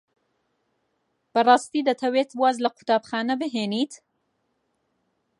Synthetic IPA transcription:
b̥əɾɑːst̪id̪ət̪ʰawet̪bwɑːzlaqʰʊt̪ɑbxɑːnəbəɦenit̪

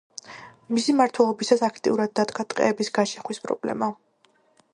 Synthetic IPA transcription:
misimaɾt̪ʰwɛlˠɔbisasakʰt̪ʼḭuɾad̪̚ːad̪ɡat̪ʼqʼɛ̰ːbisɡaʃɛχwispʼɾɔ̰blɛ̰ma

